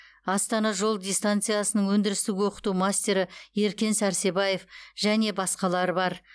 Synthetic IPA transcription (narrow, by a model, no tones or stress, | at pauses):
ɑst̪ɑnɑʒo̞lˠd̪ʲijst̪ant̪sɨjasənəɴwɵnd̪ɪɾɪst̪ɪɡʲɪwo̞qə̥t̪umasʲt̪ʲe̞ɾɪe̞ɾkʲe̞nsæɾse̞bɑje̞fʒ̥æne̞bɑsqɑlˠɑɾəbɑɾ